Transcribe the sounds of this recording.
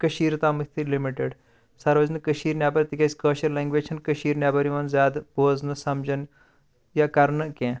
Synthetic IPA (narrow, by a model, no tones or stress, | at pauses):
kəʃiːɾt̪aːmɐt̪ʰilimiʈeɖ | sɐɾʋɐznɨkɐʃiːɾnʲjaːbɐɾʲt̪ikʲesʲkəːʃɐɾlẽːŋɡʋeːd͡ʒt͡ʃʰɐnkəʃiːɾnjaːbɐɾiʋɐnzjaːd̪boːznɨsɐmd͡ʒɐn | jakɐɾɳɨkʲẽː